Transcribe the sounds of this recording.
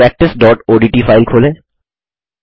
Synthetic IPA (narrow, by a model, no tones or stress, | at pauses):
ɛːk̚ʈɪsɖɔːʈoːɖiːʈiːfaːɪlkʰoːlẽː